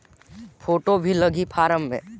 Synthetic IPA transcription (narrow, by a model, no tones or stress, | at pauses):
pʰoːʈobʱiləɡipʰaːɾəmːḛ̃ː